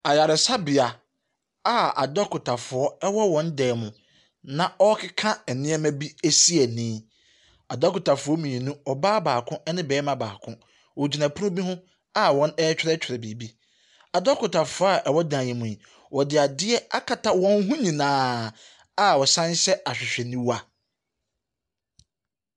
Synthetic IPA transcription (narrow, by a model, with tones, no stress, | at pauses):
a˨ja˨ɾɪ˨sa˦bɪ˨a˨ | a˦a̰˨dɔ˦kʊ˨tʰa˨fʊ˨ɔ˦ɛ˦wɔ˦wɔ̃˨˦n˦dɛː˨mʊ̃˨ | nã˦ʔɔ˦kʰɪ˦kʰã˦ɛ˨nɪ̃˦ɛ˦mæ̃˦bi˦ɛ˦si˦ɛ˨nĩː˦ | a˨dɔ˦kʊ˨ta˨fʊ˨ɔ˦mĩ˨ĩ˨nũ˦ɔ˨baː˦baː˨kʰʊ̃˦ʔɛ˦nɪ̃˦bɛː˨˦mã˦ba̰ː˨kʰʊ̃˦ | wɔ˨d͡ʑi˨na˨pʰu˦nʊ̃˦bi˦hʊ̃˦ | a˦wɔ̃˦nɛ˦t͡ɕᶣʰɪ˦ɾɛ˦t͡ɕʰᶣɾɛ˨bi˨bi˦ | a˨dɔ˦kʰʊ˨tʰa˨fʊ˨˦a˦˨ʔɛ˨wɔ˦dãː˨jɛ̃˨mʊ̃˨ĩ˨ | wɔ˨dɪ˨a˨dɪ˦ɛ˦a̰˦kʰa˨tʰa˦wɔ̃˦n˦ɦʊ̃˦ɲĩ˨nãː˨˦ | a˦wɔ˨sã˦n˦ɕɛ˦a˨ɕᶣɪ˨ɕᶣɛ˨nĩ˦wa˨